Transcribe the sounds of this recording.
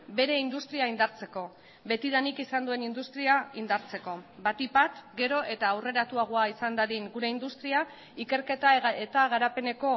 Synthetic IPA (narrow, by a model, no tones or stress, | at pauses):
be̞ɾe̞ind̪ust̪ɾiaind̪aɾt͡se̞ko̞ | βe̞t̪iðanikisand̪ue̞nind̪ust̪ɾiaind̪aɾt͡se̞ko̞bat̪ipat̪ɡe̞ɾo̞ʔe̞t̪aːwre̞ɾat̪uaɣ̞oaisand̪aðiŋɡuɾe̞ind̪ust̪ɾia | ike̞ɾke̞t̪aet̪aɣ̞aɾape̞ne̞ko̞